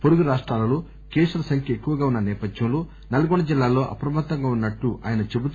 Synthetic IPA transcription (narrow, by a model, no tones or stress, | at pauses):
poɾuɡuɾaːʂʈɾaːlɐloː | keːʂɾɐsɐŋkʰjɐekːuʋɐɡaːunːɐnɛːpɐd̪jɐmlo̞ː | nɐlɐɡɔɳɖɐd͡ʒilːaːlo̞ːʔɐ̰pɾɐmaːt̪ːɐŋɡaːunːɐʈːuʔa̰ːjɐnɐt͡ʃebut̪